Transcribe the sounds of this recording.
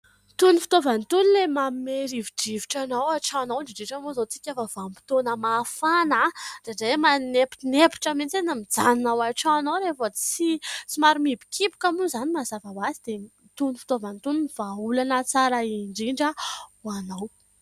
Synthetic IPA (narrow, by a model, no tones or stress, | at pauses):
t̪unifi̥t̪ovant̪unilemammeɾiviɖ͡ʐiviʈ͡ʂanawaʈ͡ʂanawɳɖ͡ʐiɖ͡ʐiʈ͡ʂamozat͡si̥kʲafəvampi̥t̪onəmafanad̥aɖ͡ʐamanepi̥nepi̥ʈ͡ʂament͡senamid͡zaninawaʈ͡ʂanawɾefət͡sisimaɾumibi̥kʰipi̥kamuzanimazavawazid̪̥e | t̪unifi̥t̪ovant̪uniniv̥aulanət͡saɾaiɳɖ͡ʐiɳɖ͡ʐəuanaw